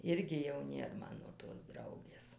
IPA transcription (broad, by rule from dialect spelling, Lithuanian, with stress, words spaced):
ˈɪrʲɡʲɪ jɛʊ ˈnʲeːr ˈmɑːnoː toːs ˈdrɐʊɡʲeːs